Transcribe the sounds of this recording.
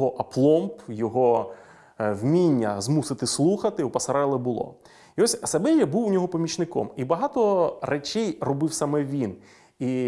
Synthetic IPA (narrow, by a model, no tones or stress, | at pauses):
ɦɔʔɐplˠɔmpjɔɦɔ | wmʲinʲːɐzmusɪt̪ɪslˠuxɐt̪ɪupɐsɐɾɛlˠɪbʊlˠɔ̰ | iɔsʲɐsɐbɪlʲjɐbuwnʲɔɦɔpɐmʲit͡ʃnɪkɔ̰mibɐɦɑt̪ɔrɛt͡ʃɛjrɔbɪwsamɛʋʲin | i